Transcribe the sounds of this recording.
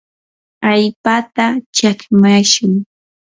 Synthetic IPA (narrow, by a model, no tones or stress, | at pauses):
aʎpat̪at͡ʃakmaʃʊŋ